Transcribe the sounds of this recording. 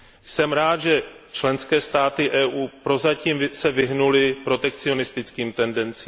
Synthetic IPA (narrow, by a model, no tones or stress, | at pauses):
jsɛmɾaːd̪ʒɛ | t͡ʃlɛnskɛːst̪aːt̪ɪʔɛːʔuːpɾo̞zaciːmsɛvɪɦnulɪpɾo̞t̪ɛkt͡sɪo̞nɪst̪ɪt͡skiːmt̪ɛndɛnt͡siːm